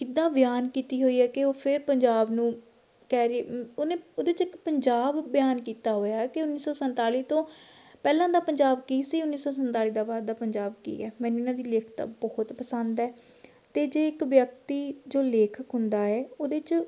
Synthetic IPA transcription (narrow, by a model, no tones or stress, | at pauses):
kɪd̪ːãːbɪjaːnkiːt̪iːɦoːiːɛːkɪoːpʰɪɾpəɲd͡ʒaːbnũː | kɛːɾeeːonẽːoːd̪eːt͡ʃɪkpəɲd͡ʒaːbːjaːnkiːt̪aːɦoːjaːɛkeʊnːiːsɔːsənt̪aːliːt̪õː | pɛːlãːd̪aːpəɲd͡ʒaːbkiːsiːʊnːiːsɔːsənt̪aːliːd̪aːbaːɾ̚d̪aːpəɲd͡ʒaːbkḭːɛːmɛ̃ːnuːɪnãːd̪iːleːkʰt̪ã̰ːbɔːʊt̪pəsənd̪ɛː | t̪eːd͡ʒeːɪkʋjəkt̪iːd͡ʒoːleːkʰəkɦʊnd̪aːɛːoːd̪eːt͡ʃ